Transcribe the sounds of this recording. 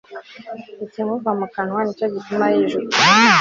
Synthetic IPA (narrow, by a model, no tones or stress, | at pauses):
iteŋokamakanwanit͡ʃaɟitumaheʒo